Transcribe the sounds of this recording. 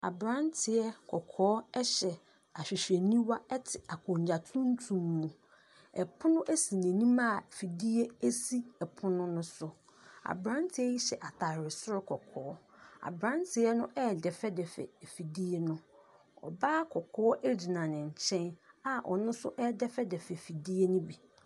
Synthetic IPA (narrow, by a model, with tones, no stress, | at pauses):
a̰˨bɾã˦ntʰɪ˨ɛ˦kʰɔ˨kʰɔː˨˦ɛ˦ɕɛ˨ | a˨ɕᶣi˨ɕᶣɛ˨nĩ˦wa˦ɛ˦tʰɪ˨a˨kʰɔ̃˨ɲ˨d͡ʑa˨tʰũ˦n̩˦tʰũ˨mːũ˨ | ɛ˨pʰʊ˦nʊ̃˦ʔæ˦si˨nẽ˨nĩ˦ma˦˨fi˨di˦e˦e˦si˦ɛ˨pʰʊ˦nʊ̃˦nʊ̃˦sʊ˦ | a̰˨bɾã˦ntʰɪ˦ɛ˦ji˦ɕɛ˨ʔa˨tʰa˨ɾɪ˨sʊ˦ɾɪ˦kʰɔ˨kʰɔː˦ɔ˦a̰˨bɾã˦ntʰɪ˨ɛ˦nʊ̃˦ʔɛ˦˨dɛ˨fɛ˦dɛ˨fɛ̰˨fi˨di˦e˦nʊ̃˦ | ɔ̰˨baː˦kʰɔ˨kʰɔː˦ɔ˦ʔe˦d͡ʑi˨nã˨nɪ̃˨ɲ˨t͡ɕʰɛ̃˦na˨ʔɔ˨nʊ̃˦sʊ˦ʔɛ˦dɛ˦fɛ˦dɛ˨fɛ˨fi˨di˦e˦nʊ̃˦bi˨